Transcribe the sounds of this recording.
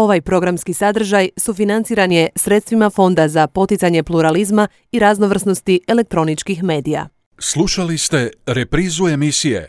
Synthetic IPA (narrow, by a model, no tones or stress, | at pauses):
o̞ʋajpɾo̞ɡɾamskisad̪r̩ʒajsufinant̪siːɾanje̞sɾe̞t̪st̪ʋimafo̞nd̪azapo̞t̪it̪saɲe̞plˠuɾalizma | iɾazno̞ʋr̩sno̞st̪ie̞le̞k̚t̪ɾo̞nit͡ʃkixme̞ːd̪ija̰ | slˠuʃalist̪e̞ɾepɾiːzue̞misijḛ